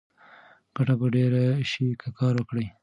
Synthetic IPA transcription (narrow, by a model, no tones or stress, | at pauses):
ɡ̥aʈabaɖeɾaʃikʰakɑɾwəkɽəj